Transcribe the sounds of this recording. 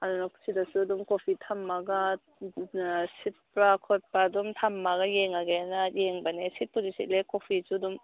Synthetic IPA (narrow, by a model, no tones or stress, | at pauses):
adunakʰu̥sʰidasudumkopʰitʰamːaɡa | sit̚pɾakʰɔt̚padumtʰamːaɡajeŋaɡenajeŋbanesit̚puzisit̚lekopʰisudum